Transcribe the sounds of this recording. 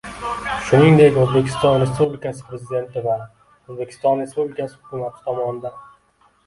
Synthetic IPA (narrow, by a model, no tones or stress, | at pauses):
ʃʊniŋd̪e̞kʲozbe̞kʲʰɪ̥st̪ɒnɾe̞spublɪkasɪ̥pɾezɪd̪e̞nt̪ɪva | ozbekʲʰɪ̥st̪ɒnɾe̞spublɪkasɪhʊkʰʲʊmat̪ʰɪ̥t̪ʰɒmɒnɪd̪a